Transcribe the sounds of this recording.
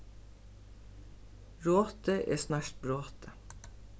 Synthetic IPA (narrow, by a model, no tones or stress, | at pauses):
ɹoːt̪əʔḛːsnɑːʃt̚bɾoːt̪ʰə